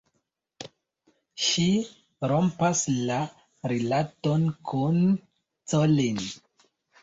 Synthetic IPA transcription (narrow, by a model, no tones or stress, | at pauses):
ʃi | ɾo̞mpasla | ɾilato̞nkʰun | t͡solin